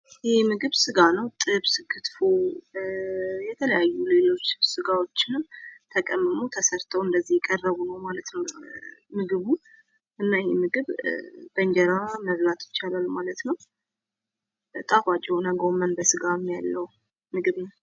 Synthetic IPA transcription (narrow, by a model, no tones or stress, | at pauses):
jemɨɡɨβsɨɡanəwt̪ʼɨβsɨkʰːɨt̪fo | jɛt̪ʰələjajːule̞lo̞t͡ʃːsɨɡawo̞t͡ʃːɪnɨmt̪ʰəkʼəmːɨmut̪ʰəsəɾt̪ʰəwɨnd̪əzːihjɛkʼərːəβunəwmalət̪nəwmɨɡɨβu | ʔɨnːajemɨɡɨβbənd͡ʒɛɾaməβlat̪jɪt͡ʃːalalmalət̪nəw | t̪ʼakʷʼat͡ʃʼɛhonəɡomənbəsɨɡamijalːəwu | mɨɡɨβnəw